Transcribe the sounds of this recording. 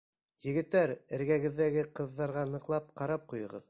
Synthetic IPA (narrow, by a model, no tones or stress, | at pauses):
jɘ̆ɡɘ̆t̪ːæɾɘ̆ɾɡæɡɘ̆ðːæɡɘqɤ̆ðːɑɾʁɑnɤ̆qlˠɑp̚qɑɾɑp̚qujɤ̆ʁɤ̰ð